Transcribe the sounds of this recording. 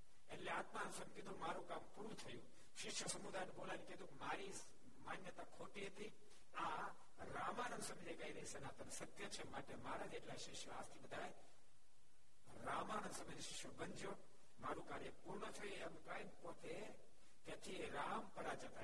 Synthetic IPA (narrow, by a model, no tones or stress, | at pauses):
eʈleaːt̪manə̃nsəmked̪ʱũmaɾũkampuɾũt̪ʰɐjũ | ʃɪkʃəsɐmud̪ajnebolaneked̪ʱũkemaɾi | manjət̪akʰoʈiɦət̪i | ã | ɾaːmanənsəmid͡ʒekaɦiɾɐɦisɐnat̪ənsət̪jət͡ʃʰemaʈemaɾad͡ʒeʈlaʃɪʃəaːst̪ʰibəd̪ʱaj | ɾaːmanənsəməjniʃɪkʃʋəbənd͡ʒjo | maɾũkaɾjepuɾɳət͡ʃ̪ʰəjeəmkɾajmpot̪ʰe | k̪jat̪ʰieɾampəɾad͡ʒət̪a̰